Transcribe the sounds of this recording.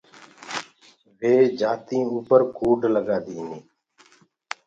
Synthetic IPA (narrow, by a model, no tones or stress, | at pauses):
ʋeːd͡ʒaːt̪ĩːuːpəɾkuːɖləɡaːd̪iːniː